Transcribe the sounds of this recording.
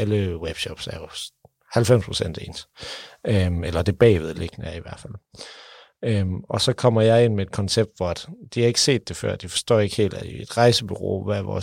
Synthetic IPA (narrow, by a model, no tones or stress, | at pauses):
æləweb̥ɕɒb̥sæɐjo | hælfem̰spʰʁosen̰d̥e̝̰ːns | ømelɐd̥e̝b̥ɛ̰ːʋeðˠle̝ɡ̥nəæɐiʋæɐ̰̥fæl̰ | ømʔɒ̽sɒ̽kʰɒ̽m̰ɐjɑ̈ɪe̝n̰mee̝d̥kʰɒ̽nseb̥̚d̥ʋɒæd̥d̥ihɑ̈e̝ɡ̥ə̥se̝̰ːd̥e̝fɶɐ̰d̥ifɒ̽sd̥ɒ̰ːe̝ɡ̥he̝̰ːld̥æed̥ʁɑ̈ɪsəb̥yʁo̝̰ːʋæʋɒ̰ː